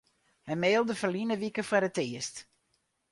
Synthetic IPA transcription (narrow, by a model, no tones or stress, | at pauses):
hɛjmeːlˠdəfərlinəʋikəfərəteːəst